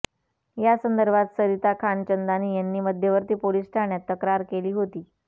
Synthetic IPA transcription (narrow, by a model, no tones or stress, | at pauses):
jasənd̪əɾbʱat̪səɾit̪akʰant͡ɕənd̪aniːjanːiːməd̪ʱjəʋəɾt̪iːpolisʈʰaɳjat̪ːəkɾaɾkeliːɦot̪iː